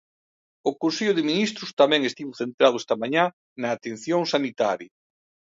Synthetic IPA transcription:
ʊkonseʎʊðɪminist̪ɾʊst̪amɛ̃ŋest̪iβʊθent̪ɾað̞ʊest̪ɐmaɲa | nɐːt̪en̟θjoŋsanit̪aɾjɐ

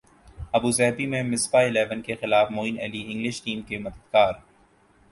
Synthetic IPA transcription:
ɐbuːzɛːbimẽmɪsbaɪlɛːʋənkexɪlaːfmoːinɛ̰ːliɪ̃ŋɡlɪʃʈiːmkemɐd̪əd̪̥̚kaːɾ

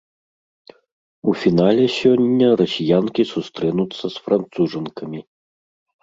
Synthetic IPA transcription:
ufʲinalʲɛsʲɔnʲːɐrɐsʲijankʲisust̪ɾɛnut̪sːɐsfɾʔant̪suʐɨnkɐmʲi

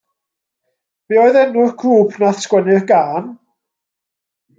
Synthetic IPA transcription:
b̥iːɔɨðɛnːurkʰuːpʰnaθskwɛnɪrɡaːn

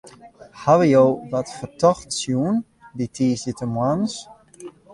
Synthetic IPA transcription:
haʋəjowʋɔtfərtɔxtsjuən | ditʰiːsətəmwans

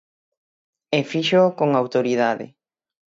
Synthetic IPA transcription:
efiʃokoŋawt̪oɾið̞aðɪ̰

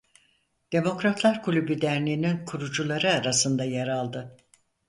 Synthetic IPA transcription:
d̪̥e̞mo̞kɾat̪ʰlˠaɾkʰulʲybid̪æɾnʲiːninkʰuɾud͡ʒulˠaɾɯaɾasɯnd̪ajaɾalˠd̪ɯ

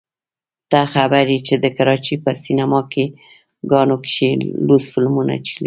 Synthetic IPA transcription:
d̪̥axabaɾit͡ʃed̪əkaɾɑt͡ʃipəsinamɑke | ɡɑnokʃelusfɪlmuna̰t͡ʃili

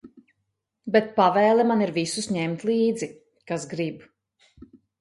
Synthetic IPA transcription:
bɛt̪̚pavɛːlˠɛmaniɾvisusɲɛmt̪lˠiːd̪zi | kasɡɾib

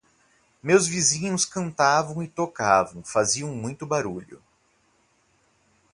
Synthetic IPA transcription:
mewzvizĩɲʊskɐ̃nt̪avɐ̃w̃ɪt̪okavɐ̃w̃faziɐ̃w̃mũj̃t̪ʊbaɾuʎʊ̰

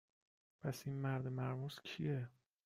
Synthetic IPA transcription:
pʰæsinmæɾd̪emæɾmuscʰije

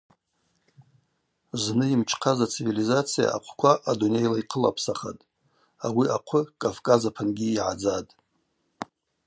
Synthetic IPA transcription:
znɨimt͡ʃʰqʰazat͡sʰivilizat͡sʰija̰a̰qʷʰkʷʰaʔadune̞jlaiqʰəla̰pʰsaχa̰tʼ | awiʔaqʷʰʊkʼavkʼazapʰanɡʲiːʕa̰d͡zatʼ

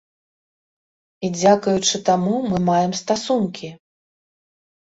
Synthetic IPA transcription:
id͡zʲakujut͡ʂɨt̪amumɨmajɛmst̪asunkʲʰi

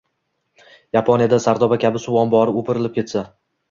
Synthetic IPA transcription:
japʰonijad̪asaɾd̪ɒbakʲʰabɪsʊwɒnbɒɾɪopʰɪɾɪlɪpkʰʲe̞t̪sa

